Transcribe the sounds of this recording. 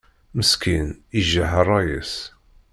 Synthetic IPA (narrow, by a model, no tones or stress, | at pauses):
məskiniʒːaɦɑrˤɑjis